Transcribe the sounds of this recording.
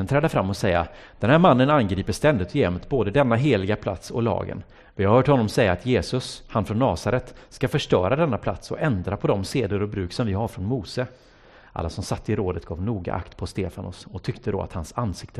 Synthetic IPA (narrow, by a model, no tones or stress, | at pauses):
nt̪ʰɾɛːd̪əfɾamːɔsɛjːa̰ | d̪̥ɛnhæːɾmanːənanɡɾiːpəʂst̪ɛnd̪ɪt̪ɔjɛmt̪boːd̪əd̪ɛnːaɦeːlɪɡapʰla̰t̪sɔlɑ̰ːɡə̰n | vɪhaɾhœːʈhɔnːɔmsɛjːaːt̪jeːsɵshanfɾɔnːɑːsaɾɛt̪skafœʂʈœːɾad̪ɛnːapʰla̰t̪sɔɛnd̪ɾapʰɔd̪ɔmseːd̪ʊɾɔbɾʉ̟ːksɔmvɪɦaɾfɾɔnmuːsə | ʔa̰lːasɔmsat̪ːəɪɾoːd̪ət̪ɡ̥ɑ̰ːvnuːɡa̰ʔa̰kt̪pʰɔst̪eːfanʊ̰sɔt̪ʰʏkt̪əd̪ɔ̰a̰t̪hansanːsɪkt̪ə